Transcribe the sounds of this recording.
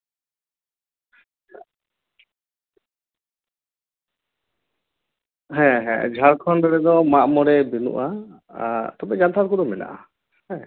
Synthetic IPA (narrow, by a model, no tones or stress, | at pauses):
ɦɛ̃ɦɛ̰̃d͡ʒʱaɾkʰɔnɾɛɾɛd̪ɔmaʔmɔɽɛbinṵʔa | t̪ɔbɛd͡ʒant̪ʰaɾkudɔmɛna̰ʔa̰ | hɛ̃